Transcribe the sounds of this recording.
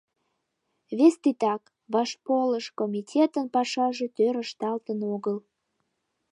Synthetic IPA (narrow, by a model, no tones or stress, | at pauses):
βest̪it̪ɑk | βɑʃpoləʃkomʲitʲʰet̪ənpɑʃɑʒe̽t̪øɾəʃt̪ɑlt̪ənoɣəl